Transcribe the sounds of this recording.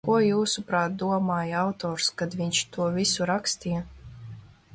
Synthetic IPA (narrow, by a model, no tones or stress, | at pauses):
kuɔjuːsupɾaːt̪̚d̪uɔmaːjawt̪ɔːɾskad̪vʲiɲʲt͡ʃt̪uɔvisuɾakst̪ijɛ